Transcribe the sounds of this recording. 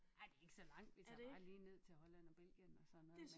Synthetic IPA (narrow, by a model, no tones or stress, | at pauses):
æd̥e̝e̝ɡ̥əsɒ̽lɑ̈ŋ̰d̥ʋit͡sʰɑ̈ɑ̈liːne̝ð̞̰ˠt͡sʰe̝hɒ̽læn̰ɒ̽b̥elɡ̥jənɒ̽sɒ̽ne